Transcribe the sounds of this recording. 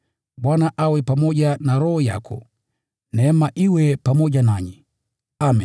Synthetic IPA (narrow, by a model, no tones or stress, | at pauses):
ɓwanaʔawɛpamɔʄanaɾɔhɔja̰kʰɔ̰ | nɛːmaʔiwɛpamɔʄanaɲi | ami